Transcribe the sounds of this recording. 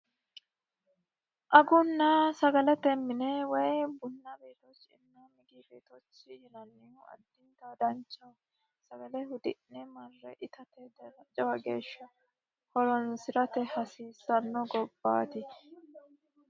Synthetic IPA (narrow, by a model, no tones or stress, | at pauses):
ʔɐɡʊnːɐsɐɡɐlɛt̪ɛmːɪnɛwɐjbʊnːɐbeːt̪ɔt͡ʃːɪnːɐmɪɡibeːt̪ɔt͡ʃːɪjɛnɐnːɛʊɐ̰d̪ːɪɡad̪ɐnt͡ʃːɐ | sɐɡɐlɛɦʊd̪ɪnnɛmɐrːɛʔɪt̪ɐt̪ɛd̪ɛɾɐt͡ʃʼːɛwɐɡe̞̰ːʃːɐ | hɔlɔnsɪɾɐt̪ɛhɐsiːsɐnːɔɡɔbːa̰ːt̪ɪ